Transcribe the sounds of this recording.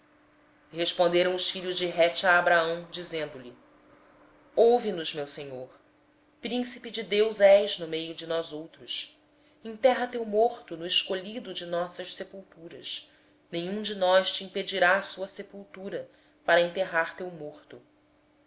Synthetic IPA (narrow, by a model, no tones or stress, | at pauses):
heʃpõnd̪eɾɐ̃w̃ʊsfiʎʊzd͡ʒɪɦɛt͡ʃaːbɾaɐ̃w̃d͡ʒizẽnd̪ʊlɪ | owvinʊzmewseɲoɾ | pɾĩsipid͡ʒɪd̪ewzɛʒnʊmejʊd͡ʒɪnɔzowt̪ɾʊs | ĩt̪ɛɦɐt̪ewmoɾt̪ʊnʊeʃkoʎid̪ʊd͡ʒɪnɔsɐʃsepuwt̪uɾɐs | nẽɲ̃ũd͡ʒɪnɔʃt͡ʃiĩped͡ʒiɾasuɐsepuwt̪uɾɐ | paɾɐẽnt̪eɦaɾt̪ewmoχt̪ʊ